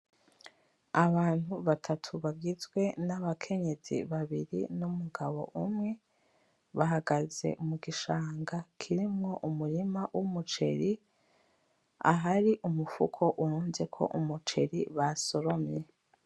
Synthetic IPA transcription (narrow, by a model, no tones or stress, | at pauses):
aβaːn̥huβatʰatʰuβavɡizɡwe̞naβakʰe̞ɲe̞z̥ḭβaβiɾḭnumuɡaβo̞̰ʔumŋe̞ | βaɦaɡaze̞̰ʔumuɡiʃaːŋɡakʰiɾimŋo̞ʔumuɾimawʔumut͡ʃe̞̰ɾi | a̰ɦaɾiʔumufṵkʰo̞ʔuɾuːnze̞kʰo̞̰ʔumut͡ʃe̞ɾiβaso̞ɾo̞mɲe̞